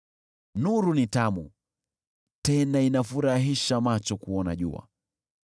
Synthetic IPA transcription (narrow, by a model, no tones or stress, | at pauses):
nuɾunitamu | tɛnainafuɾaɦiʃamat͡ʃɔkuɔna̰ʄṵa̰